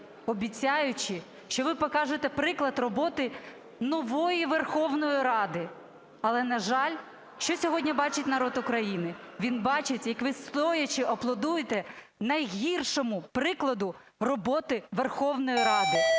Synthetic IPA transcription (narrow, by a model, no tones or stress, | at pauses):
ɔbʲit͡sʲɑjʊt͡ʃɪ | ʃt͡ʃɔʋɪpɔkɑʒet̪ɛpɾɪklˠɐd̪rɔbɔt̪ɪ | nɔʋɔjiʋerxɔwnɔjiɾɑd̪ɪ | ɐlˠɛnɐʒɑlʲ | ʃt͡ʃɔsʲɔɦɔdʲnʲibɑt͡ʃɪtʲnɐɾɔd̪ʊkɾɐjinɪʋʲinbɑt͡ʃɪtʲjɐkʋɪst̪ɔjɐt͡ʃɪʔɔplˠɔd̪ujet̪ɛ | nɐjɦʲirʃɔmʊpɾɪklˠɐd̪ʊ | rɔbɔt̪ɪʋerxɔwnɔjiɾɑd̪ɪ